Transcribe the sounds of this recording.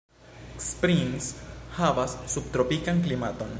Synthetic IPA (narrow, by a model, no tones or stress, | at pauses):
spɾinshavasːub̚t̪ɾo̞pikaŋklimato̞n